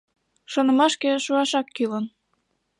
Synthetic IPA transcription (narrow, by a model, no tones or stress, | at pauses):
ʃonə̆mɑʃkĕʃuɑʃɑkːylən